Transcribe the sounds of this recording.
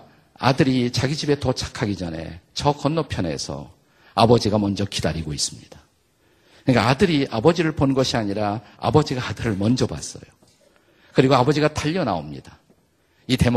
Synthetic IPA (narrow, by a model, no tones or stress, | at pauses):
a̰dɯɾit͡ɕaɡid͡ʑibe̞tʌt͡ɕʰḁkʰaɡid͡ʑʌne̞̰t͡ɕʌkʌnːʌpʰjʌne̞̰sʰʌ̰ | abʌd͡ʑiɡamʌnd͡ʑʌkidaɾiɡois͈ɯ̥mɲid̥a | ɯnkaadɯɾiʔabʌd͡ʑiɾɯɭponɡʌɕʰiaɲiɾa | a̰bʌd͡ʑiɡaadɯɾɯɭmʌnd͡ʑʌba̰s͈ʌ̰jo | kɯɾiɡoabʌd͡ʑiɡataʎːʌna̰omɲḭd̥a | ite̞m